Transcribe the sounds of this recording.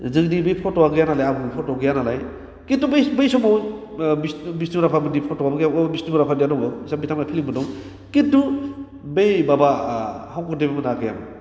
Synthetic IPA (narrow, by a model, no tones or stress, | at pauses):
zɯŋdibejpʰɔtɔwaɡɯjanalajabupʰɔtɔɡɯjanalaj | kitːubebejsɔmaw | bisbisnimɾapʰabɯdipʰɔtɔwamɡjaɔbisnimɾapʰadijadɔŋɯsabitʰamajpʰiliŋbɯdɔŋ | kitːu | bejbabahawkɔdebamnaɡɯja̰m